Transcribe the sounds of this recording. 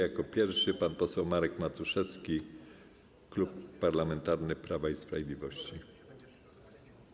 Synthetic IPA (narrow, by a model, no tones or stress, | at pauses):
jakɔpʲjɛɾfʂɘpanpɔsɛwmaɾɛkmat̪uʂɛt̪skʲi | klupːaɾlamɛnt̪aɾnɘpɾavaispɾavʲed̪lʲivɔɕt͡ɕi